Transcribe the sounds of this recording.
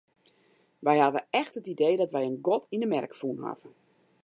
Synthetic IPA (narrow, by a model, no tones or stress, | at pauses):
ʋɛjhavəɛxtətideːdɔtʋɛjənɡɔtʰindəmɛrkfunha̰və